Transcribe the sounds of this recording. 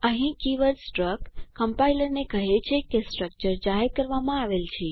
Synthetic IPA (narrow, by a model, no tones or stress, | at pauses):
əɦĩkiʋədsʈɾəkːəmpailəɾnekəɦet͡ʃʰekesʈɾək̚t͡ʃəɾd͡ʒaɦeɾkəɾʋamãaʋelt͡ʃʰe